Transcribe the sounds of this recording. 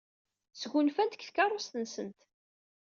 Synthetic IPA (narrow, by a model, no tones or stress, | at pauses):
sɡunfænt̪kθkɑrˤːost̪ənsənt̪